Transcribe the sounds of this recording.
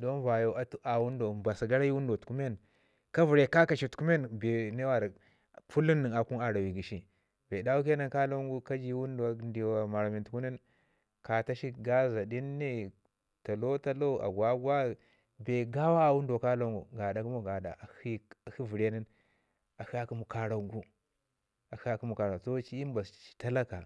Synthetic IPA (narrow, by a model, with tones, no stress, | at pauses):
do˦n˦va˨jo˨a˨tu˦ʔa˨wu˦ndo˨ba˨sa˨ɡa˦ɾa˦ji˦wu˦ndo˨tu̥˨ku˦me˦n | ka˦vi˨ɾe˨ka˦ka˨ʃi˨tu̥˨ku˦me˦nbe˨ne˦wa˨ɾ | fu˦li˦nːi˨ŋa˨ku˦na˨ɾa˨wi˨ɡi˨ʃi˦ | be˨da˦wu˦ke˦na˨nka˦lo˦ŋɡu˦ka˦d͡ʒi˦wu˦ndo˨˦ndi˨wa˨ma˨ɾa˨mi˨ntu˨ku˦ni˦n | ka˨ta˦ʃi˦ɡa˦za˨di˦nːe˦ | ta˨lo˦ta˦lo˦˨a̰˨ɡwa˦ɡwa˦ | be˨ɡa˦wa˦˨wu˦ndka˦lo˦ŋɡṵ˨ɡa˨da˨ku˦mu˦ɡa˨da̰˨a˨hi˦a˨hi˦vi˨ɾe˦ni˦n | a˨hi˦a˦ki˦mu˨ka˨ɾa˨ŋɡu˦ | a˨hi˦a˨ki˦mu˨ka˨ɾa˨so˦t͡ʃi˦i˦mba˨st͡ʃi̥˨ta˦la˦ka˨